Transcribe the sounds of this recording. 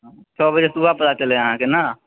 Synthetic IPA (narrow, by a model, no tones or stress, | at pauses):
t͡ʃʰɔːbəd͡ʒesubʱapət̪at͡ʃəleəɦãkena